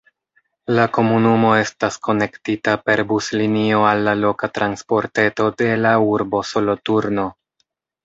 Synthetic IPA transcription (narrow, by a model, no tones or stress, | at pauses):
lako̞munumo̞e̞stasko̞ne̞ktitape̞ɾbuslinio̞alːalo̞katɾanspo̞ɾte̞to̞de̞lauɾbo̞so̞lo̞tuɾno̞